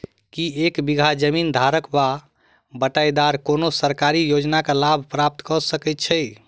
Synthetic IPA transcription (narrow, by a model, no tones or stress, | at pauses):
kiekbiɡʱad͡ʒəmind̪ʱaɾəkba | bəʈajd̪aɾkonosəɾkaɾijod͡ʒnakelabʱpɾap̚t̪kəsəkɛt̪t͡ʃʰəj